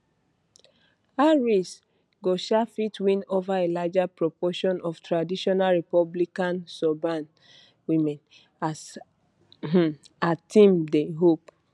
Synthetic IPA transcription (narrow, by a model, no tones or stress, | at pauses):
aɹis | ɡoʃafitwĩnovaelad͡ʒapɹɔpɔʃɔ̃nɔftɹadiʃɔnalɹipɔblikãnsɔbãn | wĩmɛ̃n | as | atĩmdeɦop